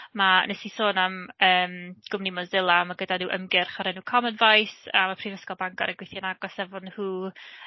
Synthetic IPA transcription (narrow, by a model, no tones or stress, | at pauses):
manɛsisoːnaməːmɡ̥ʊmnimɔzɪlˠamaɡədanuːʔə̰mɡɪrχaɾɛnuːkʰɔmənvajsa̰mapʰriːvəskɔlˠbaŋɡɔ̰ɾəɡwɪθjanaɡɔsɛvɔnhuː